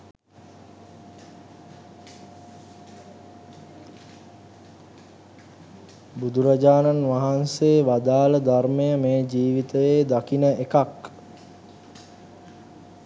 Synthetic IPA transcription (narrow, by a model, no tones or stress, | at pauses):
bud̪uɾad͡ʒaːnanʋaɦanseːʋad̪aːləd̪armejəmeːd͡ʒiːʋit̪əʋeːd̪akinəekak